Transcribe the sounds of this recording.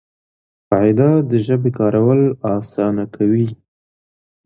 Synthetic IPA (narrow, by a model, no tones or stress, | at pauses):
qɑɪd̪ad̪əʒəbekɑɾawəlɑsɑnakʰawi